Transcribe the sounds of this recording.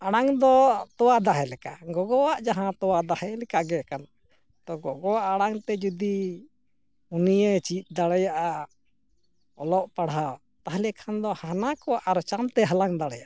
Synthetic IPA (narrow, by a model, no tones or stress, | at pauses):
aɽ̃aŋd̪ɔt̪ɔwad̪aɦɛlɛkaɡɔɡɔwaʔd͡ʒaɦãt̪ɔwad̪ahɛlɛkaɡɛkana | t̪ɔɡɔɡɔwaʔaɽ̃aŋt̪ɛd͡ʒud̪i | unijet͡ʃit̪̚ˀd̪aɽɛjaʔa | ɔ̰lɔʔpaɽa | t̪aɦlɛkʰand̪ɔhanakɔwaʔaɾt͡ʃamt̪ɛɦalaŋd̪aɽɛjaʔ